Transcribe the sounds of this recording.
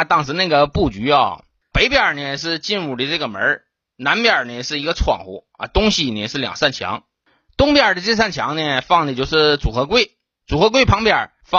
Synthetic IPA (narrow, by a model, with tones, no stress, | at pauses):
t̪ɑ˥˩ŋʂ̩ʰ˧˥na˥˩ɡə˩pu˥˩t͡ɕy˧˥ɐ̰˥˧˩ | pe˧˥ɪpjɑ˨˩nə˧ʂ̬ɻ̩˥˧t͡ɕi˥˧nɻu˥˨˩ə˧˦ʈ͡ʂɤ˥˩ɡə˩mə̰˧˥ | na˧˥npjə˞˨˩nə˧˩ʂɻ̩˥˩i˧˥ɡə˧t͡sʰwɑ̰˨˩ŋxṵ˧˥ | ɐ̰˧t̪ʊ˥ŋɕi˨nə˧˩ʂɻ̩˥˩ljɑ̰˨˩ŋsa˥˩nt͡ɕʰjɑ̰˧˥ŋ | t̪ʊ˥ŋpjə˨˩d̪ə˦ʈ͡ʂe˥˧s̬a˥˩nt͡ɕʰjɑ̰˧˥ŋnə˧fɑ˥˩ŋd̪ə˩t͡ɕjo˥˧ʊʂɻ̩˥˩t͡su˨˩xɤ˧˥kwe˥˩ɪ | t͡su˨˩xɤ˧˥k̬we˥ɪpʰɑ˧˥ŋpjɑ˞˨˩ | fɑ˥˧